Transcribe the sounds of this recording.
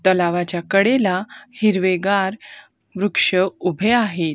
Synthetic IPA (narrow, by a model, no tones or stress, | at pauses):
t̪əlaʋat͡ɕjakəɽelahiɾʋeɡaɾ | ʋɾukʂəubʱeaɦet̪̚